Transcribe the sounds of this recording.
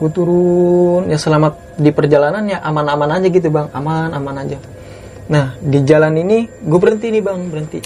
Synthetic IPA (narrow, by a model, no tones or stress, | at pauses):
ɡut̪uɾunjasəlamat̪̚dipərd͡ʒalananɲaʔamanamanad͡ʒaɡit̪̬ubaŋa̰manamanad͡ʒa | nahdid͡ʒalaniniɡuabəɾənt̪inibaŋbəɾənt̪i